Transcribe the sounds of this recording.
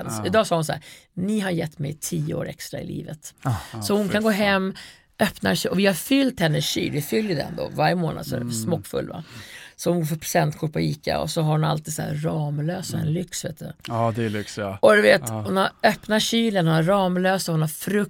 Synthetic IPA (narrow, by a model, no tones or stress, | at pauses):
nsɪd̪ɑːɡsɑːhʊnsaæ̰ːɾnɪɦaɾjɛt̪ːmɛjt̪ʰiːəo̰ːɾɛ̰kst̪ɾa̰ɪ̰lʔḭːvət̪sɔhʊnkʰanɡoːɦɛmː | œpnaʂɛɔvɪhaɾfʏlt̪hɛnːəɕḭːlvɪfʏlːjəd̪ɛ̰nd̪o̰ːvaɾjəmoːnad̪sɔɛ̰ɾsmɔkːfɵ̰lːva̰sɔhʊnɡoːfœɾpʰɾʊ̥sɛnt̪kʰʊɾ̚pʰɔiːka̰ɔ̰sɔɦaɾhʊna̰lt̪iːd̪sæ̰ɾɑːmløːsaɛ̰nlʏksvḛːt̪ːd̪ɛd̪ɛlʏksɔd̪ɵveːt̪hʊnhaɾœpnaɕyːlənhʊnaɾɑːmløːsahʊnhaɾfɾɵk̚